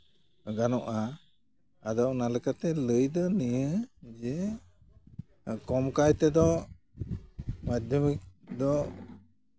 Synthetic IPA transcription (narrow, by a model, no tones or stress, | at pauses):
ɡanɔʔaː | d̪ɔʔnaləkat̪ɛləjd̪ɔnijəd͡ʒɛ | kɔmkajt̪ɛd̪ɔ | mad͡ʒd̪umik̚d̪ɔ